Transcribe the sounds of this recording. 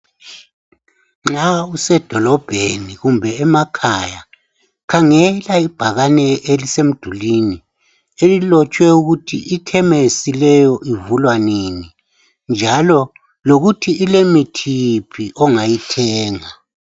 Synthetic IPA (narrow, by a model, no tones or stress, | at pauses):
ŋ͡ǁausɛd̥ʱɔlɔb̥ʱeniɣumbʱɛːmakʰaja | kʰaŋɛlaib̥ʱaɣanɛelisem̩d̥ʱulini | elilɔt͡ʃʼwɛuɣutʰiʔikʰɛmesilɛjɔʔivulwanini | nd͡ʒʱalɔ | loɣutʰiːlemitʰipʰiʔɔŋajitʰɛːŋa